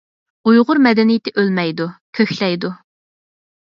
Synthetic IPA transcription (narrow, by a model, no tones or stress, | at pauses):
ujʁʊɾmɛd̪ɛnijɪt̪ʰɪʔølmɛjd̪ukʲʰøçʲlɛjd̪u